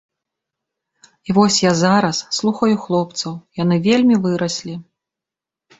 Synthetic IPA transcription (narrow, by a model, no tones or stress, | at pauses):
ivɔsʲjazaɾɐsːlˠuxɐjuxlˠɔpt̪sɐwjanɨvʲelʲmʲivɨɾɐsʲlʲi